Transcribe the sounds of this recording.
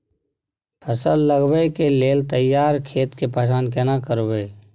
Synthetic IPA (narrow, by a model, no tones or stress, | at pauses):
pʰəsəlːəɡwekeleːlt̪əjaːɾkʰeːt̪kepaːsaːnkɛnakəɾweː